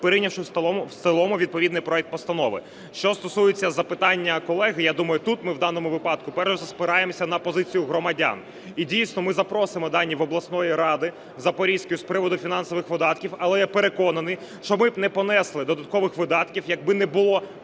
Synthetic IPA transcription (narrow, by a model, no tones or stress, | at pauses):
peɾɪjnʲɐwʃɪst̪elˠɔmʊʋʲid̪̚pɔʋʲid̪nɪjpɾɔɛk̚t̪pɔst̪ɐnɔʋɪ̰ | ʃt͡ʃɔst̪ɔsujɪt͡sʲːɐzɐpɪt̪ɑnʲːɐkɔlˠɛɦɪjad̪umɐjʊt̪ut̪mɪwd̪ɑnɔmʊʋɪpɑd̪kʊpɛrʃɛzɐspɪɾɑjemɔsʲɐnɐpɔzɪt͡sʲijʊɦɾɔmɐdʲa̰n | idʲijsʲnɔmɪzɐpɾɔsɪmɔd̪ɑnʲːiʋɔblˠɐsnɔjiɾɑd̪ɪ | zɐpɔɾʲiskʊjʊspɾɪʋɔd̪ʊfʲinɑnsɔʋɪxʋɪd̪ɑt̪kʲiwɐlˠɛjɛpeɾekɔnɐnɪ | ʃt͡ʃɔmɪnɛpɔnɛslˠɪd̪ɔd̪ɐt̪̚kɔʋɪxʋɪd̪ɑt̪kʲiwjɐɡ̚bɪnɛbʊlˠɔ